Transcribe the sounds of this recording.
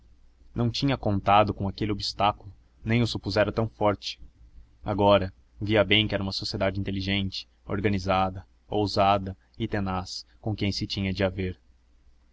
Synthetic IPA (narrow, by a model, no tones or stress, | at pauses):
nɐ̃w̃t͡ʃĩɲɐkõnt̪ad̪ʊkõakelɪobist̪akʊlʊ | nẽj̃ʊsupuzɛɾɐt̪ɐ̃w̃fɔɾt͡ʃɪ̥ | aɡɔɾɐ | viɐbẽj̃kɪɛɾɐũmɐsosied̪ad͡ʒɪĩnt̪eliʒẽnt͡ʃɪ̥ | o̰ɾɡɐnizad̪ɐ | owzad̪ɐ | ɪt̪enaskõkẽj̃sɪt͡ʃĩɲɐd͡ʒɪaveɾ